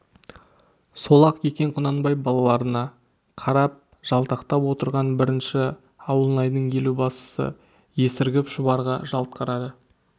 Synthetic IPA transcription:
so̞lˠɑqkʰekʲe̞ɴqʰʊnɑnbɑjbɑlˠɑlˠɑɾənɑ | qʰɑɾɑp̚ | ʒ̥ɑlˠt̪ɑqt̪ɑpwo̞t̪əɾʁɑnbɪɾɪnʃɪ | ɑwəlˠənɑjd̪əɴkʰe̞lubɑsə̥sə̰ | je̞sɪɾɡʲɪpʒʊβɑɾʁɑʒɑlˠt̪̚qɑɾɑd̪ə

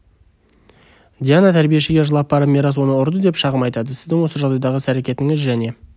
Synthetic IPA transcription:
d̪ʲijanat̪ʰæɾbije̞ʃɪɡʲe̞ʒəlˠɑp̚bɑɾəpmʲeɾɑswo̞nəʊɾd̪əd̪e̞pʃɑʁəmɑjt̪ɑd̪əsɪzd̪ɪŋwo̞səʒɑld̪ɑjd̪ɑʁəsæɾekʲe̞t̪ɪŋɪzʒæne̞

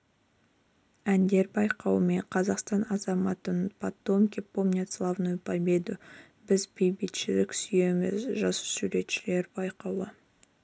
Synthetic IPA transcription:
ænd̪e̞ɾbɑjqɑwəme̞ɴqʰɑzɑqst̪ɑnɑzɑmɑt̪ənpʰat̪ːo̞mkʲepomnʲet̪slˠɑvnojpʰabed̪o | bɪzbʰejbit̪ʃɪlɪksyje̞mɪ̰zʒɑsə̥suɾe̞t̪ʃɪle̞ɾbɑjqɑwə

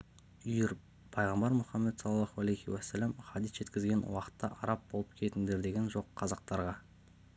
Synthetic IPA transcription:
ʏjɪɾ | pʰɑjʁɑmbɑɾmʊχɑmːet̪sɑlˠɑlˠɑhuælejhiwæsːælæmχɑd̪isʒ̥e̞t̪kʲɪzɡʲe̞nwɑqə̥t̪ːɑ̰ʔɑɾɑp̚bo̞lˠəp̚kʲʰe̞t̪ɪnd̪e̞ɾd̪e̞ɡʲe̞nʒo̞qʰːɑzɑq̚t̪ɑɾʁɑ

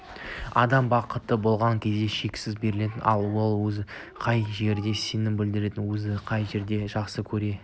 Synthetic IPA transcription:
ɑ̰d̪ɑmbɑqət̪ːəbo̞lˠʁɑŋkʲʰe̞zd̪e̞ʃe̞kʲsɪzbe̞ɾɪle̞t̪ɪnʔɑ̰lˠwolˠwɵzɪ | qʰɑjʒe̞ɾd̪e̞se̞nɪmbɪld̪ɪɾe̞t̪ɪnwɵzɪqʰɑjʒe̞ɾd̪e̞ʒɑqsəkʲʰɵɾe̞

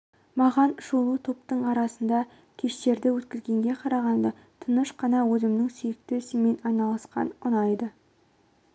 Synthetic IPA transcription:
mɑʁɑnʃolˠut̪ʰo̞pt̪əɴɑɾɑsənd̪ɑ | kʲʰe̞ʃt̪e̞ɾd̪ɪwɵt̪̚kʲɪzɡʲe̞ŋɡʲe̞qʰɑɾɑʁɑnd̪ə | t̪ʰənəʃqɑnɑwɵzɪmnɪŋsɵjɪk̚t̪esɪme̞nɑjnɑlˠɑsqɑ̰nʊnɑjd̪ə

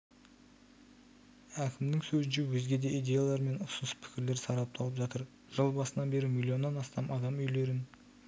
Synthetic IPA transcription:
ækʲʰɪmd̪ɪŋsɵzɪnʃewɵzɡʲe̞d̪e̞ʔijd̪ʲe̞jalˠɑɾme̞nʊsənəspʰɪ̥kʲɪɾle̞ɾsɑɾɑp̚t̪ʰɑlˠəpʒɑt̪əɾ | ʒ̥əlˠbɑsənɑnbe̞ɾɪmilʲːio̞nːɑnɑst̪ɑmʔɑd̪ɑmʏjle̞ɾɪn

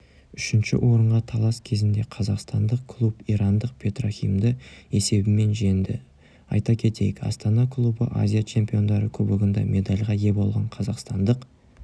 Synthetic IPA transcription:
ʏʃɪnʃɪ̰wʔo̞ɾəɴʁɑt̪ʰɑlˠɑskʲʰe̞zɪnd̪e̞qʰɑzɑqst̪ɑnd̪əqkʰlˠupiɾɑnd̪əq̚pʰe̞t̪rofʲḭjmd̪əe̞se̞bɪme̞nʒend̪ɪ̰ | ɑ̰jt̪ɑkʲʰe̞t̪e̞̰jɪkɑ̰st̪ɑnɑkʰlˠubəʔa̰zʲijat͡ʃʰe̞mpʲijo̞nd̪ɑɾəkʲʰɵbɪɡʲɪnd̪ɑ̰mʔe̞d̪ɑlʲʁɑje̞bo̞lˠʁɑɴqʰɑzɑqst̪ɑnd̪əq

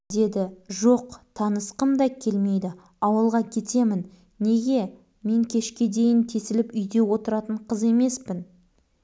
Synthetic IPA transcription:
d̪e̞d̪ɪʒo̞qt̪ʰɑnəsqəmd̪ɑkʲʰe̞lme̞jd̪ɪ | ɑwəlˠʁɑkʲʰe̞t̪e̞mɪnː | e̞ɡʲe̞ | me̞ŋkʲʰe̞ʃkʲe̞d̪e̞jɪnt̪ʰe̞sɪlɪpʏjd̪e̞wo̞t̪əɾɑt̪əɴqʰəze̞me̞spɪn

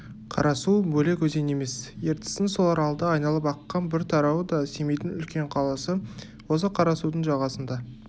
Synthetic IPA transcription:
qʰɑ̰ɾɑsubɵle̞kʲʰɵzene̞me̞sje̞ɾt̪ɪ̥sɪnso̞lˠɑɾɑlˠəd̪ɑːjnɑlˠəpɑqːɑnbɪɾt̪ʰɑɾɑwəd̪ɑse̞me̞jt̪ɪnʏlkʲe̞ɴqʰɑlˠɑsə | wo̞s̬əqʰɑɾɑsud̪əɴʒɑʁɑsənd̪ɑ

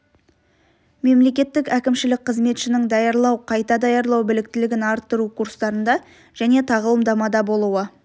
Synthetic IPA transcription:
me̞mle̞kʲe̞t̪ːɪkækʲɪmʃɪlɪk̚qʰəzme̞t̪ʃɪnɪŋd̪ɑjɑɾlˠɑwqʰɑjt̪ɑd̪ɑjɑɾlˠɑwbɪlɪk̚t̪ɪlɪɡʲɪnɑɾt̪ːəɾukʰuɾst̪ɑɾənd̪ɑ | ʒ̥æne̞t̪ʰɑʁəlˠəmd̪ɑmɑd̪ɑbo̞lˠuwə

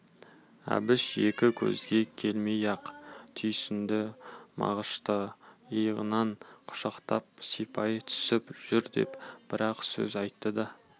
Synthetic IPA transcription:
æ̰bɪʃje̞kʲɪkʲʰɵ̰zɡʲe̞kʲʰe̞lmejɑqt̪ʰʏjsɪnd̪ɪmɑ̰ʁəʃt̪əəjəʁə̰nɑɴqʰʊ̥ʃɑqt̪ɑp̚sipʰɑjt̪ʰʏ̥sɪpʒ̥ʏɾd̪e̞̰pb̥ɪɾɑqsɵ̰zɑjt̪ːəd̪ɑ

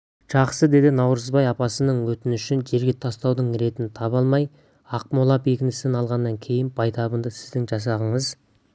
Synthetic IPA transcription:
ʒ̥ɑqsəd̪e̞d̪ɪnɑwɾəzbɑjɑpɑsənəɴwɵt̪ɪnʏʃɪnʒe̞ɾɡʲe̞t̪ʰɑst̪ɑwd̪əɴɾe̞t̪ɪnɪt̪ʰɑpɑlˠmɑj | ɑq̚molˠɑpe̞kʲɪnɪsɪnɑlˠʁɑnːɑŋkʲʰe̞jɪnbɑjt̪ʰɑbənd̪əsɪ̥zd̪ɪŋʒɑs̬ɑʁəɴəz

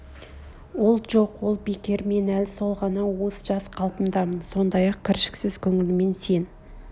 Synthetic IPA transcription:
wo̞lˠʒo̞qwo̞lˠbekʲe̞ɾme̞nælsolˠʁɑnɑwo̞səʒɑsqʰɑlˠpəmd̪ɑmənso̞nd̪ɑjɑq̚kʲʰɪɾʃɪ̥ksɪzkʲʰɵŋɪlɪme̞nse̞n

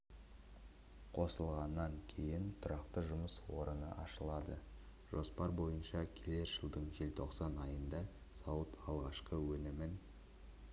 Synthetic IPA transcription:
qʰo̞səlˠʁɑnːɑŋkʲʰe̞jɪnt̪ʰʊɾɑqt̪əʒʊməswo̞̰ɾənə̰ʔɑʃəlˠɑd̪ə̰ | ʒ̥o̞spɑɾbo̞jənʃɑkʲʰele̞ɾʒ̥əlˠd̪əɴʒe̞lt̪ʰo̞qsɑnɑjənd̪ɑ | sɑwət̪ɑlˠʁɑʃqəwɵnɪmɪn

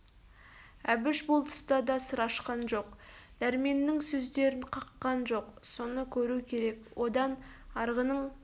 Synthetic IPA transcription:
æbɪʃbʊlˠt̪ʰʊ̥st̪ɑd̪ɑsəɾɑʃqɑnʒo̞qd̪̥æɾme̞nːɪŋsɵzd̪e̞ɾɪɴqʰɑqːɑnʒo̞qso̞nəkʲʰɵɾukʲʰe̞ɾe̞kwo̞d̪ɑnɑɾʁənəɴ

